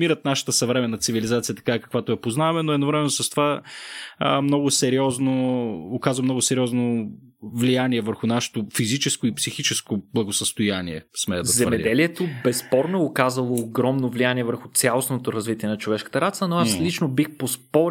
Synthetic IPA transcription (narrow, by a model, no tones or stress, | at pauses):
miɾət̪naʃə̥t̪əsɐvɾɛmɛnːɐt̪sivilizat̪sijət̪ɐ̥kaɛkɐ̥kvat̪oɛpoznavɐmɛnoɛd̪novɾɛmɛnosɐst̪ova | mnɔɡʊsɛɾiɔznoːkazvɐmnɔɡʊsɛɾʲiɔzno | vlijaniɛvəɾxʊnaʃɛ̥t̪ofizit͡ʃɛskʊipsixit͡ʃɛskoblˠɐɡosəst̪ojaniɛ̰smɛɛd̪ɐzɛmɛd̪ɛliɛt̪obɛspɔɾnoɛokazəlˠoːɡɾɔmnovlijaniɛvəɾxʊt̪sʲalˠosnot̪oɾɐzvit̪iɛnɐt͡ʃovɛʃkə̥t̪əɾat̪sənoaslit͡ʃnobixpospɔɾ